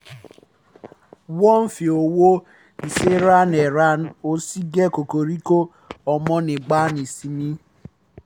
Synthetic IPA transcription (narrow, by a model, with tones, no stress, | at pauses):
wɔ˦m̩˦fi˨o˨wo˦ | i˨se˦ɾa˦ne˨ɾa˦n̩˦o˦si˦ɡe˦ko˨ko˨ɾi˦ko˦ | ɔ˨mɔ˦nɪ˨ɡ͡ba˦ni˨si˨mi˦